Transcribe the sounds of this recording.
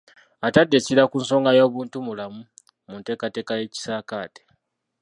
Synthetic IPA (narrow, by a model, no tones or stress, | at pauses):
atadːe̞ciɾakuːnso̞ːŋɡajoːβuːntumulamu | munte̞ːkate̞ːkaje̞ːci̥saːkaːte̥